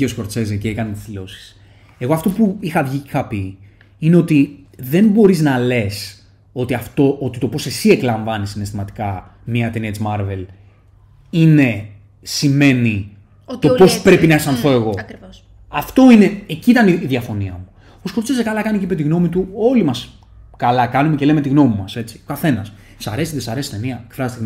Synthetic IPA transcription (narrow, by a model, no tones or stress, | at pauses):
io̞skoɾt͡se̞zeceekɐnet̪izðilo̞si̥s | e̞ɣo̞ɐft̪o̞puixɐvʝiixɐpi | ine̞o̞t̪i | ðe̞nbo̞ɾiznɐle̞s | o̞t̪iɐft̪o̞ʔot̪it̪o̞po̞se̞sie̞klɐɱvɐnisinest̪imɐt̪i̥kɐ | miɐt̪eniet͡smɐɾve̞l | ine̞ | sime̞ni | t̪opo̞spɾe̞pinɐesɐnθo̞e̞ɣo̞k | ɐft̪o̞ine̞eciit̪ɐniðjɐfo̞niɐmu | osko̞t͡sesekɐlɐkɐnicipet̪iɣno̞mit̪uo̞limɐs | kɐlɐkɐnumece̞leme̞t̪iɣno̞mimɐse̞t͡si̥okɐθe̞nɐs | sɐɾe̞siðesɐɾe̞si̥t̪eniɐekfɾɐzt̪in